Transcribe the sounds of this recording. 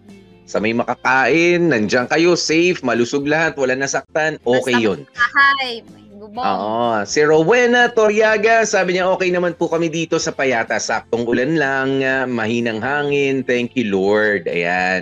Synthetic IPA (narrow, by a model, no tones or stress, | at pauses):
sɐmɐjmɐkɐkaːʔɪnːɐnd͡ʒaŋkɐjo̞sɛjfmɐlʊsoɡ̚lɐhat̪̚wɐlanɐsɐk̚t̪anʔoːkɛjːonha | ʔo̰ːʔosɪɾowɛnɐt̪oɾjaːɡɐsaːbɪɲɐʔo̞ːkɛjnɐmanpʊkɐmid̪iːt̪o̞sɐpɐjaːt̪ɐsak̚t̪o̞ŋʔʊlanlaŋmɐhiːnɐŋhaːŋɪnt̪ɛŋkjʊloɹd̪̚ʔɐ̰ja̰n